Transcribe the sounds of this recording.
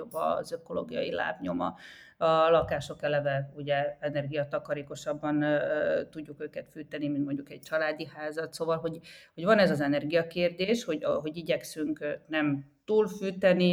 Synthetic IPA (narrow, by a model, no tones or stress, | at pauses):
obːɒ̰zøko̞lo̰ːɡijɒ̰jila̰ːpɲo̞mɒ̰ | ɒlɒkaːʃo̞kɛlɛvɛuɟɛɛnɛrɡijɒt̪ɒkɒɾeːko̞ʃɒbːɒnt̪uɟːukøːkɛt̪fyːt̪ɛnimint̪mo̞ɲɟukɛɟ̚t͡ʃɒlaːd̪ihaːzɒt̪soːvɒlɦo̞ɟho̞ɟvɒnɛzɒzɛnɛrɡijɒkeːrd̪eːʃho̞ɟɦo̞ɟiɟɛksyŋknɛmt̪uːlfyːt̪ɛni